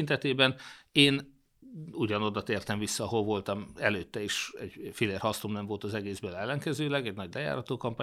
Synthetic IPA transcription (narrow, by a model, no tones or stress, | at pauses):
nt̪ɛt̪eːbɛneːn | uɟɒno̞d̪ɒt̪eːrt̪ɛɱvisːɒːɦolvo̞lt̪ɒmɛløːt̪ːɛiːʃɛ̰ɟfileːrhɒst̪omnɛɱvo̞lt̪ɒzɛɡeːzbøːlɛlːɛŋkɛzøːlɛɡɛɟnɒɟlʔɛja̰ːɾɒt̪oːkɒmpaː